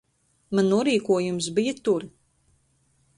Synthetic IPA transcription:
manːuɔɾiːkuɔjums̬bijət̪uɾ

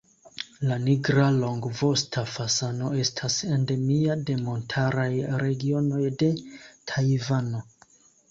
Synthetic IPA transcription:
laniɡɾalo̞ŋɡvo̞stʰafasano̞e̞stʰasende̞miade̞mo̞ntʰaɾajɾe̞ɡio̞no̞jde̞tʰajvano̞

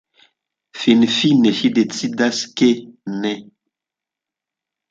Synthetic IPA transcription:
finfinɛʃidet͡sidaskenɛ

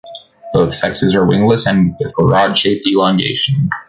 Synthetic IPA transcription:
b̥oʊθsɛksɨzə˞wɪ̰̃ŋləsɨ̃nbɪθəɹɑdʃeɪp̚d̥ilɑ̃ŋɡḛɪʃɨ̃n̩

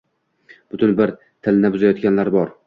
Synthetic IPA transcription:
b̥ʊt̪ʰʊnbɪɾ | t̪ʰɪlnɪbʊzajɒt̪̚ɡʲanlaɾbɒɾ

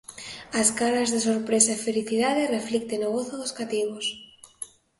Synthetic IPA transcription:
askaɾazðesoɾpɾesaefeliθiðaðereflikt̪enoɣ̞oθoðoskat̪iɣos

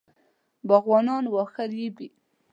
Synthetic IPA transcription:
baɣwɑnɑnwɑxaɾjibi

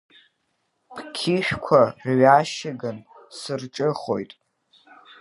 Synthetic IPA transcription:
pʰkʲʰɪʃᶣkʷʰaɥaʃɪɡan | sɨrʈ͡ʂʼɨχo̞jtʼ

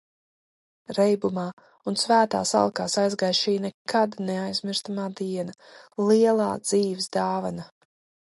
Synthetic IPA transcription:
ɾɛjbumaː | unsvæːt̪a̰ːsa̰lˠkaːsajzɡajʃiːnɛkad̪neajzmiɾst̪amaːd̪iɛnalˠiɛlˠaːd̪z̥iːvisd̪aːvana

